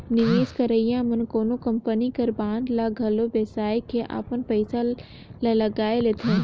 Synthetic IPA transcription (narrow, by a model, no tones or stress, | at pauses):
nɪʋeːskəɾəɪjãmənkoːnokəmpənikəɾbãːnd̪laɡʱəlobjəsaːjkʰeʔa̰pənpəɪsa | laləɡaːelet̪ʰẽ